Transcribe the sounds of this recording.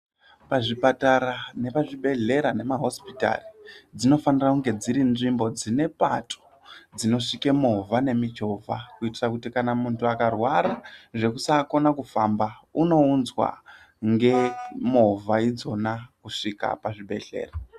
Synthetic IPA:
paʐipataɾane̞paʐiɓe̞ɮe̞ɾane̞maɦo̞spi̥ta̰rid͡zino̞fanirakuŋɡe̞d͡ziɾinʐimbo̞d͡zine̞patʰo̥ | d͡zino̞ʂikemovʱane̞mit͡ʃo̞vʱa̰kuitirakutikanamuntuakarwaɾaʐe̞kusaːko̞nakufambauno̞unzwa̰ | ŋɡe̞movaid͡zo̞nakuʂika̰paʐiɓe̞̰ɮe̞̰ːra

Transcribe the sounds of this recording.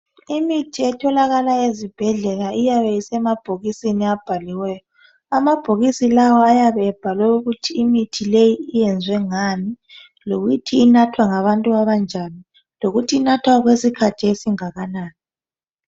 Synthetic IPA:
imitʰiɛtʰɔlaɣalaezib̥ʱɛɮɛlaʔijaβɛjisɛmab̥ʱoɣisiniab̥ʱaliwɛːjɔ | amab̥ʱoɣisilawɔajaβɛːb̥ʱalwɛuɣutʰiːmitʰilejiːjɛnd͡zʱwɛŋami | loɣujitʰiːnatʰwaŋaβantʼuaβand͡ʒʱani | loɣutʰiːnatʰwaɣwesikʰat͡ʃʰʼɛisiŋaɣanaːni

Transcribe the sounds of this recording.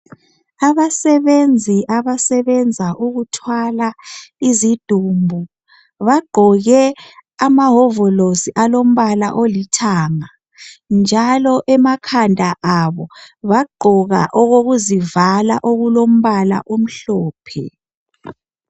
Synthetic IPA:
aβasɛβend͡zʱiʔaβasɛβɛnd͡zʱaʔuɣutʰwalaizid̥ʱuːmbʱu | βaɡ͡ǃʱɔɣɛamaɦɔvɔlosiʔalom̩βala̰ʔolitʰaːŋa | nd͡ʒʱalɔʔɛmakʰandʱaʔaβɔβaɡ͡ǃʱɔɣa̰ʔɔɣoɣuzivala̰ʔoɣulom̩βala̰ʔom̩ɬɔːpʰɛ̰

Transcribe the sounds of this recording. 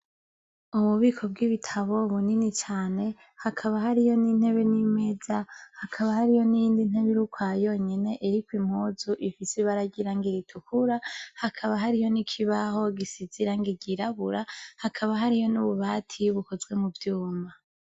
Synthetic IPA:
uβuβiːkʰo̞b̚ɡiβitʰaβo̞βuninit͡ʃaːne | hakʰaβahaɾijo̞nin̥he̞βe̞nime̞zahakʰaβahaɾijo̞nijiːndin̥heβiɾukwajo̞ːɲe̞ne̞ʔeɾikwim̥hoːzuʔifiseβaɾaɟiɾaŋɡiɾitʰukuɾahakʰaβaɦaɾijo̞nikʰiβaɦo̞ɡisiziɾaŋɡiɟiɾaβuɾahakʰaβaɦaɾijo̞nuβuβaːtʰiβuko̞zɡwe̞muvjuːma

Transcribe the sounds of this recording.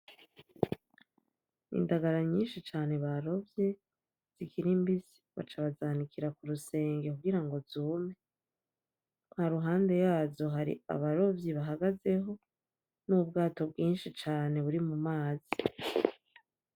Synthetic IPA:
ḭndaɡaɾaɲiːnʃit͡ʃaːne̞βaɾo̞vje̞ | z̥ikʰiɾimbizi̥βa̰t͡ʃaβazaːnikʰiɾakuɾuse̞ːŋɡe̞kuɡiɾaŋɡo̞zuːme | haɾuɦaːnde̞jaːzo̞ɦaɾḭa̰βaɾo̞vjiβaɦaɡaze̞ɦo̞ | nubɡaːto̞bɡiːnʃit͡ʃaːne̞βuɾimumaːzi

